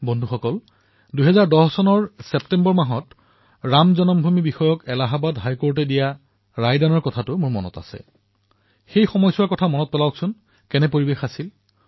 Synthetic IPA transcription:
bɔndʱuxɔkɔl | duɦɛzaɹdɔɦsɔnɔɹsɛptɛmbɔɹmaɦɔt | ɹamzɔnɔmbʱumibixɔjɔkɛlaɦabadɦajkoɹt̬ɛdija | ɹajdanɔɹkɔtʰatʊmʊɹmɔnɔ̰ta̰sɛ̰ | xejxɔmɔjsuwakɔtʰamɔnɔt̚pɛlawksʊn | kɛnɛpoɹibexasil

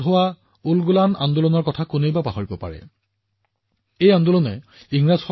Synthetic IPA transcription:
ɦowa | ulɡulana̰ndulɔnɔɹkɔtʰakunejbapaɦoɹibɔpa̰ɹɛ̰ | ejandulɔnɛ | iŋɹazxɔ

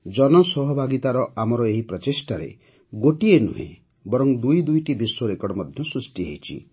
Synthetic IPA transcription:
d͡ʒɔnɔsɔɦɔbʱaɡit̪aɾɔʔamɔɾɔeɦipɾɔt͡ʃesʈaɾḛ | ɡoʈienṵɦḛ̃ | bɔɾɔŋd̪ujd̪ujʈibiswoɾekɔɽɔmɔd̪ʱjɔsɾusʈiɦḛjt͡ʃʰḭ

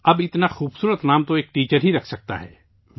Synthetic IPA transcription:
ɐbɪt̪naxuːbsuːɾət̪naːmt̪oeːk̚ʈiːt͡ʃəɾɦiɾɐkʰsɐk̚t̪a̰ɦɛ̰ː | ʋ

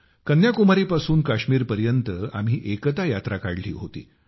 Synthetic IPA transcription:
kənjakumaɾiːpasuːnkaɕmiːɾpəɾjənt̪əa̰m̤iːʔekt̪ajat̪ɾakaɽlḭːɦot̪ḭː

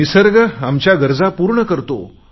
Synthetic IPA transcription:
isəɾɡəamt͡ɕjaɡəɾd͡zapuɾɳəkəɾt̪o̰

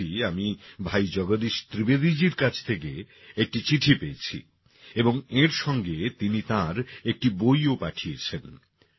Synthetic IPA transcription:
iamibʱajd͡ʑɔɡod̪iʃt̪ɾibed̪id͡ʑiɾkãt͡ɕʰt̪ʰeke | ek̚ʈit͡ɕiʈʰipeet͡ɕʰḭ | eboŋeɾʃɔŋɡet̪init̪aɾek̚ʈibojopaʈʰiet͡ɕʰen

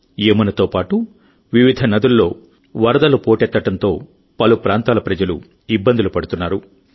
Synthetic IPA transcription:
eːmunɐt̪o̞ːpaːʈu | ʋiʋid̪ʱɐnɐd̪ulːo̞ː | ʋɐɾɐd̪ɐlupo̞ːʈɛt̪ːɐʈɐnt̪o̞ː | pɐlupɾaːnt̪aːlɐpɾɐd͡ʒɐlṵ | ibːɐnd̪ulupɐɽut̪unːaːɾu

